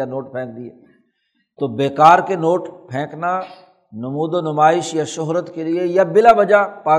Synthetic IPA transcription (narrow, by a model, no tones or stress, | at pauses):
anoːʈ̚pʰɛ̃ːk̚d̪iɛː | t̪oːbeːkaːɾkenoːʈpʰɛ̃ːkna | nʊmuːd̪onʊmaːɪʃjaʃʊɦɾət̪keliejabɪlabɐd͡ʒapaː